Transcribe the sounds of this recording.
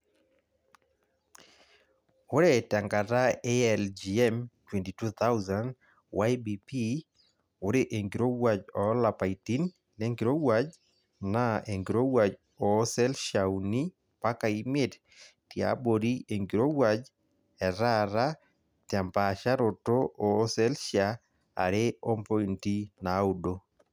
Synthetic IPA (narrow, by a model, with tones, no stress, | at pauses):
o˦ɾe˦ta˨ŋɡa˨ɾa˦eɛld͡ʒi˨ɛmtwɛ˨nti˨tu˦t̪ʰa˦wzand | wajbipi˦ | o˨˦ɾe˦ʔe˨ŋɡi˨ɾo˦wwad͡ʒɔ˨la˨pa˨iti˦nː | eŋɡi˨ɾo˦wad͡ʒ | na˦e˨ŋɡi˨ɾo˦wa˨d͡ʒ | ɔ˨˦sɛ˦lʃauni˦ | pa˦ka˨i˦me˦t | tja̰bo˨ɾi˦e˨ŋɡi˨ɾo˦wad͡ʒ | ɛ˨ɾaɾa˦ | ta˨mpaʃa˦ɾo˨to˦ɔ˨˦sɛ˦lʃa | a̰˨ɾeɔ˦mpɔ˦inti˦na˨udo˦